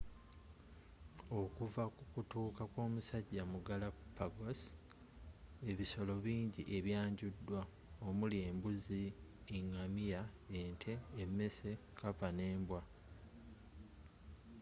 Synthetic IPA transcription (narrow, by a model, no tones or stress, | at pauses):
o̞kuvakukutuːkakwo̞ːmusaɟːamuɡalapːaɡos | e̞βiso̞lo̞βiːɲɟiʔe̞βjaːɲɟudːwa | omulie̞ːmbuziiŋːamijaentʰe̞ːmːe̞se̞ | kapane̞ːmbwa